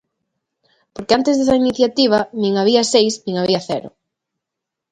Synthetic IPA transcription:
poɾkɪant̪ezðesɐiniθjat̪iβ̞ɐnĩŋaβ̞iɐsejsnĩŋaβiɐθɛɾʊ̰

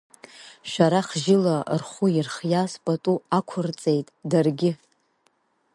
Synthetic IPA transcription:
ʃᶣaɾaχʒɪlarχuirχjaspʼatʼuakʷʰʊrt͡sʼe̞jtʼdarɡʲɪ

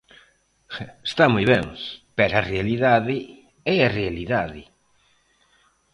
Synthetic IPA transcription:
est̪amujβɛŋpɛɾɐrealiðaðɪ | ɛɐrealiðaðɪ

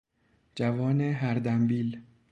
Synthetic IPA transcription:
d͡ʒævɒːneɦæɾd̪æmbiːl

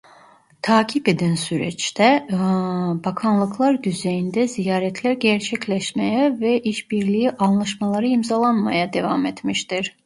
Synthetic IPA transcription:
t̪ʰaːcʰiped̪ænsyɾɛt͡ʃt̪ʰɛ | bakʰanlˠɯkʰlˠaɾd̪yzejind̪ɛzijaːɾɛt̪ʰlʲæɾɟæɾt͡ʃʰɛcʰlʲɛʃmejɛvɛʔiʃbiɾlʲijiʔanlˠaʃmalˠaɾɯimzalˠanma̰jad̪e̞vamet̪miʃt̪iɾ̥

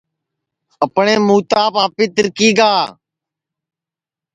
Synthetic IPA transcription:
əpɳeːmuːt̪aːpaːpiːt̪ɪɾkiːɡaː

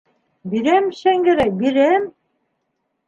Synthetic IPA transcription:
biɾæmʃæŋɡɘ̆ɾæk̚biɾæm

